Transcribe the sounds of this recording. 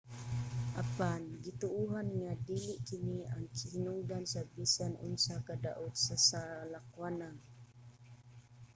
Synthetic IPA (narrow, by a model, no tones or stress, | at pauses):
ʔapanɡit̪uuɦanŋadiliʔkiniaŋhinuŋdansabisanṵnsakada̰ʔʊt̪sasalakwanaŋ